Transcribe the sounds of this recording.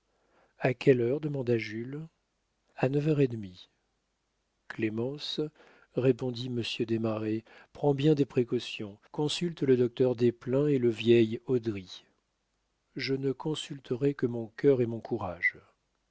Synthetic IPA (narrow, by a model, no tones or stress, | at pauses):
akʲɛlœʁd̪əmɑ̃d̪aʒyl | anəvœʁed̪mi | klemɑ̃s | ʁepɔ̃d̪iməsjød̪emaʁepχɑ̃bjɛ̃d̪epχekɔsjɔ̃kɔ̃sylt̪ləd̪ɔk̚t̪œʁd̪eplɛ̃eləvjɛjɔd̪ʁi | ʒənəkɔ̃sylt̪ʰəʁɛkəmɔ̃kʲœʁemɔ̃kʰuʁaʒ